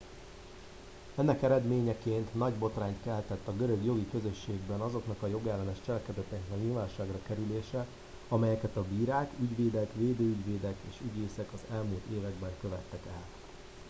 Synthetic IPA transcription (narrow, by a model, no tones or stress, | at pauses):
ɛnːɛkɛɾɛd̪meːɲɛkeːnt̪nɒɟbo̞t̪raːnt̪kɛlːɛt̪ɛt̪ːɒɡø̞ɾø̞ɡjo̞ɡikø̞zø̞ʃːeːɡbɛnɒzo̞knɒkɒjo̞ɡɛlːɛnɛʃt͡ʃɛlɛkɛd̪ɛt̪ːɛknɛkɲiːlvaːnʃaːɡrɒkɛɾyleːʃɛ | ɒmɛjɛkɛt̪ɒbiːɾaːkyɟʋeːd̪ɛkʋeːd̪øːyɟʋeːd̪ɛkeːʃyɟeːsɛkɒzɛlmuːlt̪eːvɛɡbɛŋkøvɛt̪ːɛkɛl